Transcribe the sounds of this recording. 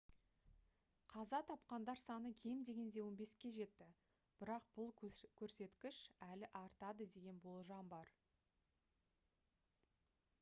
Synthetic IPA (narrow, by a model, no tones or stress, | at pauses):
qʰɑzɑt̪ʰɑp̚qɑnd̪ɑɾsɑnəkʲʰe̞md̪e̞ɡʲe̞nd̪e̞wo̞nbe̞skʲe̞ʒe̞t̪ːɪ | b̥ɪɾɑq̚b̥ʊlˠkʲʰɵɾse̞t̪kʲɪʃælɪʔɑɾt̪ɑd̪əd̪e̞ɡʲe̞nbo̞lˠʒɑmbɑɾ